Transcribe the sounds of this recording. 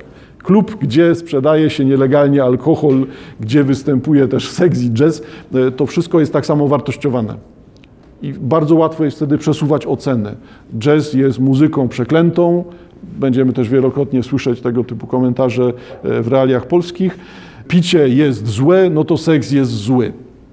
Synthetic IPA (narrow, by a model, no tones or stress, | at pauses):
klupɡd͡ʑɛspʂɛd̪ajɛɕɛɲɛlɛɡalɲɛalkɔxɔlɡd͡ʑɛvɘst̪ɛmpujɛt̪ɛʂsɛkzid͡ʐɛst̪ɔfʂɘst̪̚kɔjɛst̪ːaksamɔvaɾt̪ɔɕt͡ɕɔvanɛ̰ | ibaɾd̪zɔwat̪fɔjɛst̪ft̪ɛd̪ɘpʂɛsuvat͡ɕɔt̪sɛnɛ | d͡ʐɛsjɛst̪muzɘkɔ̃w̃pʂɛklɛnt̪ɔ̃w̃ | bɛɲd͡ʑɛmɘt̪ɛʐvʲjɛlɔkɾɔt̪ɲɛswɘʂɛt͡ɕt̪ɛɡɔt̪ɘpukɔmɛnt̪aʐɛvɾɛalʲjaxpɔlskʲix | pʲit͡ɕɛjɛst̪zwɛnɔt̪ɔsɛkzjɛzt̪zwɘ